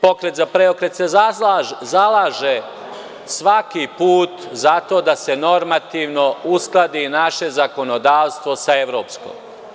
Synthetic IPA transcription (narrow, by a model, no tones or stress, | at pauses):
po̞kɾe̞t̪zapɾeokɾet̪sezazalaːʒe | sʋakipuːt̪zat̪o̞ːd̪ase̞no̞ɾmat̪iʋno̞usklˠad̪inaʃe̞zako̞no̞d̪aːʋst̪ʋo̞saeʋɾo̞ːpsko̰m